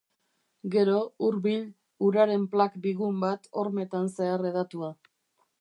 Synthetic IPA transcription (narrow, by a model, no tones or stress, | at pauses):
ɡe̞ɾo̞uɾβiʎ | uɾaɾe̞mplakbiɣumbat̪o̞ɾme̞t̪anse̞are̞ð̞at̪ua